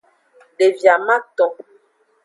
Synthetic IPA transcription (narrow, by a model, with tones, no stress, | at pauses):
ɖe˨vja˨mã˦t̪ɔ̃˨